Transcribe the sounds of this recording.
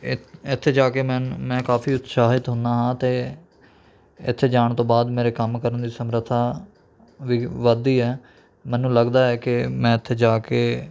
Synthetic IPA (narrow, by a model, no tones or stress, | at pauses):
ɪt̪ʰːeːd͡ʒaːkeːmɛ̃ːnmɛ̃ːkaːpʰiːʊt̪saːɦɪt̪ɦʊnd̪aːɦãːt̪eː | ɪ̰t̪ʰːeːd͡ʒaːɳ̃t̪õːbaːd̪meːɾeːkəmkəɾənd̪iːsəmɾət̪ʰːaː | ʋiːʋəd̪iːɛː | mɛ̃ːnũːləɡd̪aːɛːkɪmɛ̃ːɪt̪ʰːeːd͡ʒaːkeː